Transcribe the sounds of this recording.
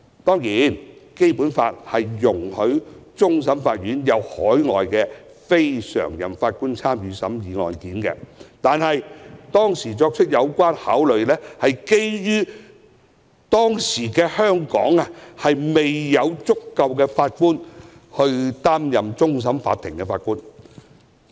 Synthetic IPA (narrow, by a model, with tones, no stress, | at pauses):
t̪ɔː˥ŋjiː˨˥nke˥jpuː˨˥nfa̰ː˧t̚hɐ˨jːʊ˨˩ŋhɵ˨˥ɥt͡sʊ˥ŋs̬ɐ˨˥mfaː˧t̚jyː˨˥njɐ˨˧whɔː˨˥jŋɔ̰ː˨jkɛː˧ | fe˥jsœ̰ː˨˩ŋjɐ̰˨˩mfaː˧t̚kuː˥nt͡sʰaː˥mjyː˨˧sɐ̰˨˥mjiː˨˧ŋɔ̰ː˨jkiː˨˥nkɛ̰˧t̪aː˨nhɐ˨jt̪ɔː˥ŋsiː˨˩t͡sɔː˧k̚t͡ʃʰɵ˥t̚jɐ˨˧wkʷaː˥nhaː˨˥wlɵ˨ɥlɛː˥hɐ˨jke˥jjyː˥ | t̪ɔː˥ŋsiː˨˩kɛː˧hœː˥ŋkɔː˨˥ŋɐ˨hɐ˨jme˨jːɐ˨˧wt͡sʊ˥kːɐ˧wkɛː˧faː˧t̚kuː˥nhɵ˧ɥt̪aː˥mjɐ˨mt͡sʊ˥ŋs̬ɐ˨˥mfa̰ː˧t̪ʰːɪ˨˩ŋkɛ˧fa̰ː˧t̚kuː˥n